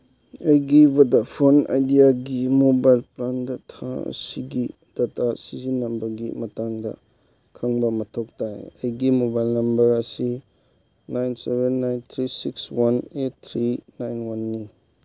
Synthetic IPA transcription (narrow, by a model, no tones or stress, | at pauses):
ejɡibɐdɐpʰona̰jdijaɡimobajlplandɐtʰaɐ̰siɡi | d̥ɐtʰasizinːɐbɐɡimɐtaŋdɐ̰ | kʰɐŋbɐmɐtʰok̚tajɐjɡimobajlnɐmbɐɾɐsi | najnsebenːajnt̪ʰɾisikswanet̚t̪ʰɾinajnwanːi